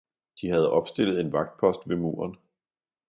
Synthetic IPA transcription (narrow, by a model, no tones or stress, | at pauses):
d̥ihæð̞̩ˠɒ̽b̥sd̥e̝l̰ð̩ˠe̝nʋɑ̈ɡ̥̚d̥̚pʰɒ̽sd̥ʋe̝mṵːɐn